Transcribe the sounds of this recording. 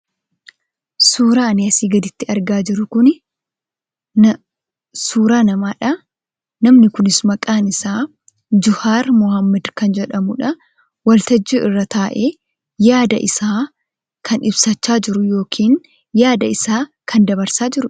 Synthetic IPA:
suːɾaːneɐsiːɡɐd̪ɪt̪ːɪɐɾɡaːd͡ʒɪɾʊkʊnɪ | suːɾaːnɐmaːᶑɐ | nɐmnɪkʊnɪsmɐkʼaːnɪsaː | d͡ʒʊhaːɾmʊhɐmːɐd̪kɐnd͡ʒɛᶑɐmʊᶑɐ | wɐlt̪ɐd͡ʒːuːʔɪrːɐt̪aːʔeː | jaːd̪ɐ̰ʔɪsaː | kʰɐnʔɪbsɐt͡ʃːaːd͡ʒɪɾʊjo̞ːkʰiːn | jaːd̪ɐɪsaːkʰɐnd̪ɐbɐɾsaːd͡ʒɪɾʊ

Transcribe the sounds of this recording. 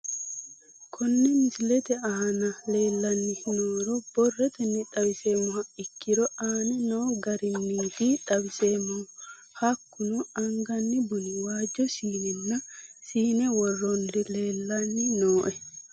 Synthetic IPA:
kʰɔnːɛmɪslɛt̪ɛanɐle̞ːlːɐnːɪnoːɾɔb̥ɔrːɛt̪ɛnːɪᶑɐbɪseːmːɔhɐɪkːɪɾɔaːnɛnoːɡɐɾɪnːid̪iᶑɐbɪseːmːɔ | hɐkːʊnɔɐŋɡɐnːɪbʊnɪwaːd͡ʒɔsiːnɛnːɐsiːnɛwɔrːɔndɪle̞ːlːanːɪnoːʔɛ

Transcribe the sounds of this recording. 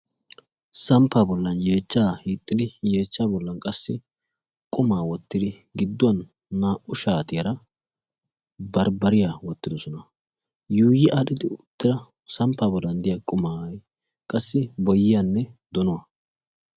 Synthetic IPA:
sɐmpːaːbɔlːɐnje̞ːt͡ʃːaːhiːt̪ʼːɪd̪ɪje̞ːt͡ʃːaːbɔlːɐnkʼɐsːɪ | kʼʊmaːwɔt̪ːɪd̪ɪ | ɡɪd̪ːʊwɐnː | aːʔʔʊʃaːt̪ɪjɐɾɐ | bɐɾbɐɾɪjawɔt̪ːɪd̪ɔsɔnɐ | juːjɪʔɐɗɪd̪ɪʊt̪ːɪɾɐ | sɐmpːaːbɔlːɐnd̪ɪjakʼʊmaːj | kʼɐsːɪbɔjːɪjanːɛd̪ɔnʊwɐ

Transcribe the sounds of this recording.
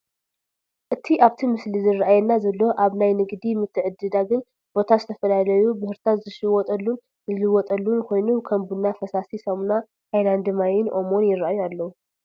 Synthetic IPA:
ʔɨt̪ʰiʔaβt̪ʰimɨslizɨrːʔajɛnːazɐlːo̞ʔaβnajnɨɡd̪imɨt̪ʰːɨʕɨd̪ːɨd̪aɡɨn | b̥o̞t̪ʰazɨt̪ʰɐfɐlalɐjubɨhɨɾt̪ʰazɨʃɨwɔt̪ʼɐlːun | zɨlɨwɔt̪ʼɐlːunkʰo̞jnukʰɐmbunːafɐsasisɐmna | hajland̪ɨmajɪnʔo̞mo̞njɪrːaajualːɐwu

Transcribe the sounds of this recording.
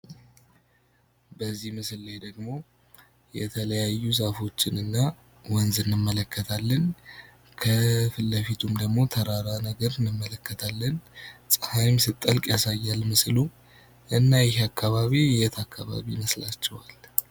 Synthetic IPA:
bəzːihmɨsɨlːed̪əɡmo̞ | jɛt̪ʰələjajːuzafo̞t͡ʃːɪnɨnːa | wɔnzɨnːɨmːələkʰːət̪ʰalːən | kʰəfɨlːəfit̪ʰumd̪əɡmo̞t̪ʰəɾaɾanəɡəɾɨnɨmːələkːət̪ʰalːənsʼəhajmsɨt̪ʼːəlkʼjasajːalmɨslu | ʔɨnːajɪɦakʰːaβaβijɛt̪ʰakʰːaβa̰βiməslat͡ʃːɛwal

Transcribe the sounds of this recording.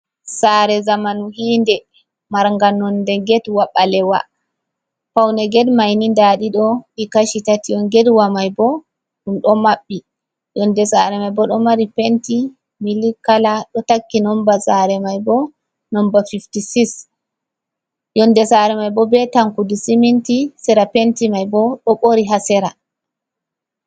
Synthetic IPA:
saɾɛzamanuhiːndɛ | maɾŋɡanɔndɛɡɛdwaɓalɛwa̰ | pawnɛɡɛdmajnindaɗiɗɔɗikaʃitatijɔnɡɛdwamajbɔ | ɗumɗɔmaɓːi | jɔndɛsaɾɛmajbɔɗɔmaɾipenti | milikalaɗɔtakːinɔmbasaɾɛmajbɔ | nɔmbafiftisis | jɔndɛsaɾɛmajbɔbɛtaŋkudisimintisɛɾapentimajbɔɗɔɓoɾiɦasɛɾa

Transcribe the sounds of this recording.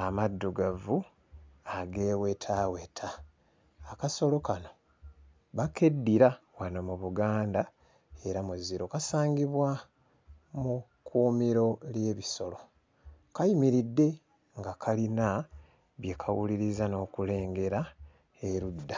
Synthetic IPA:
amadːuɡavu | aɡe̞ːwetʰawe̞tʰaː | kaso̞lo̞kano̞ | βake̞dːiɾawanomuβuɡaːnda | e̞ɾamuzːiɾo̞kasaːŋɡiβwa | mu | kʰuːmiɾo̞lje̞ːβiso̞lo̞ | kajimiɾidːe̞ | ŋɡakʰalina | βjekʰawuliɾizano̞ːkule̞ːŋɡe̞ɾa | e̞ɾudːa

